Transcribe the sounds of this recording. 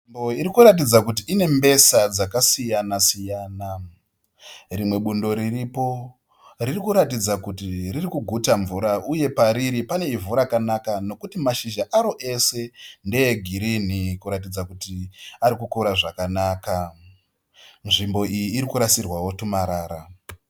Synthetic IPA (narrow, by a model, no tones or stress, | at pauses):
iboiɾikuɾatid͡zakut̬iʔːne̞mbe̞sad͡zakasijanasijaːna | rimwe̞ɓundo̞ɾiripo̞ | ririkuɾatid͡zakutiririkuɡʱutaɱvuɾauje̞paɾiɾipane̞ivuɾakanakano̞kutimaʃiʒaʔaɾo̞ʔe̞se̞nde̞jeɡʱiɾinikuɾat̬id͡zakutiaɾikukuɾaʐakanaːka | nʐimbo̞ijiːɾikuɾasirwawo̞tumaɾaːɾa